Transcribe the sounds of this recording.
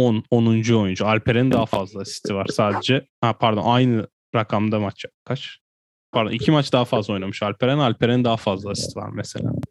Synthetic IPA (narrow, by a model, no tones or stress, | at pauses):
ononund͡ʒuo̞jund͡ʒualʲpʰeɾɛnd̪aɦafazlˠasi̥st̪ʰivaɾ̥saːd̪e̞d͡ʒɛ | hapʰaɾd̪onajnɯ | ɾakʰamd̪amat͡ʃʰakʰat͡ʃ | pʰaɾd̪onicʰimat͡ʃd̪aɦafazlˠao̞jnamɯʃalʲpe̞ɾɛnalʲpʰe̞ɾenid̪aɦafazlˠasist̪ʰiva̰ɾmese̞̰lʲa̰ː